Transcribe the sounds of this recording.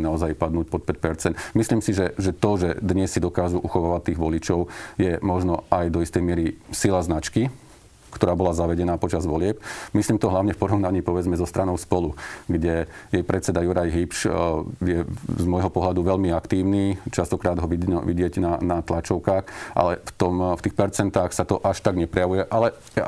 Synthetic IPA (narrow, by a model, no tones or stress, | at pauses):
naɔzajpad̪nuːc̚pɔt̪̚pɛc̚pɛɾt͡sɛnt̪misliːmsiʒɛʒɛt̪ɔʒɛd̪ɲɛsːid̪ɔkaːʒuʔuxɔʋaːʋat̪ːiːɣʋɔlit͡ʃɔʊjɛmɔʒnɔajd̪ɔist̪ɛjmɪɛɾisilaznat͡ʃki | kt̪ɔɾaːbɔlazaʋɛɟɛnaːpɔt͡ʃazʋɔlɪɛpmisliːmt̪ɔɦlaʊɲɛfpɔɾɔʊnaɲiːpɔʋɛd͡zmɛzɔst̪ɾʔanɔʊspɔluɡɟɛjɛjpɾɛt̪t͡sɛd̪ajuɾajɦipʃjɛzmɔjɦɔpɔɦlad̪uʋɛʎmiakt̪iːʊniːt͡ʃast̪ɔkɾaːd̪ɦɔʋiɔʋiɟɪɛɟnanat̪lat͡ʃɔʊkaːxʔa̰lɛft̪ɔmft̪iːxpɛɾt͡sɛnt̪aːxsat̪ɔʔaʃt̪aɡɲɛpɾɛjaʋujɛʔalɛ